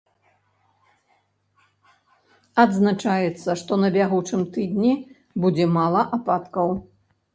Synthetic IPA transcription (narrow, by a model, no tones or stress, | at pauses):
ad̪znat͡ʂajɛt̪sːɐʂt̪ɔnɐbʲaɣut͡ʂɨmt̪ɨd̪nʲɛ | bud͡zʲɛmalˠɐʔapat̪kɐw